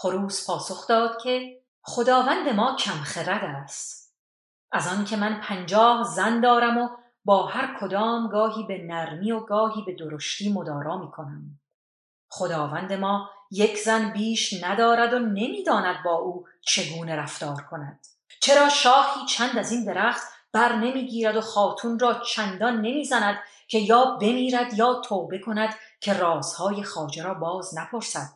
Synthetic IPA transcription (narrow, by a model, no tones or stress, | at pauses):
χoɾuːspʰɒːso̞χd̪ɒːd̪̥cʰe̞ | χo̞d̪ɒːvænd̪e̞mɒːcʰæmχeɾæd̪æːst̪ | ʔæzɒncʰemænpʰænd͡ʒɒːhzænd̪ɒːɾæmo̞ | bɒːhæɾkʰo̞d̪ɒːmɡɒːɦiːbenæɾmiːoɡɒːɦiːbe̞d̪oɾoʃt̪iːmod̪ɒːɾɒːmiːkʰo̞næm | χod̪ɒːvænd̪e̞mɒːje̞cʰzænbiːʃnæd̪ɒːɾæd̪one̞miːd̪ɒːnæd̪̚bɒːʔuː | t͡ʃʰe̞ɡuːne̞ɾæft̪ɒːɾkʰo̞næd̪̥ | t͡ʃʰe̞ɾɒːʃɒːhiːt͡ʃʰænd̪æzind̪e̞ɾæːχt̪b̥æɾne̞miːɡiːɾæd̪o̞χɒːt̪ʰunrɒːt͡ʃʰænd̪ɒnːe̞miːzænæd̪ | cʲʰe̞jɒːbe̞miːɾæd̪jɒːt̪ʰoːbe̞kʰo̞næd̪̥ | kʰe̞rɒːz̥hɒːje̞χɒːd͡ʒeɾɒːbɒːznæpʰo̞ɾsæd̪̥̚